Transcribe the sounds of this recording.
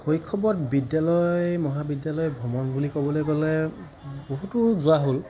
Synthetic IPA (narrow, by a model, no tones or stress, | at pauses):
xojkʰːɔbɔtbidjalɔjmɔɦabidjalɔjbʱɔmɔnbulikɔbɔlojɡɔlɛ | boɦutʊzʊaɦol